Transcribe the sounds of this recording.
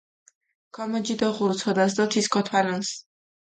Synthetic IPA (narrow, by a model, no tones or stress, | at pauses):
kʰɔmɔd͡ʒid̪ɔʁuɾt̪sʰɔd̪as̬d̪ɔt̪ʰiskʰɔt̪ʰwalɔns